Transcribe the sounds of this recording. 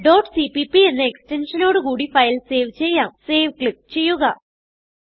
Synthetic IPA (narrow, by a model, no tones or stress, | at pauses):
ɖoːrʈsipipie̞nːɨekste̞nʂɐno̞ːɽɨkuːɽifɐjlse̞ːʋt͡ɕe̞jːaːmse̞ːʋkɭip̚ːt͡ɕe̞jːuɣɐ